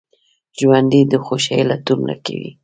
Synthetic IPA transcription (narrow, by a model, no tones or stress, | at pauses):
ʒwand̪id̪əxoʃajlat̪umla̰kawḭ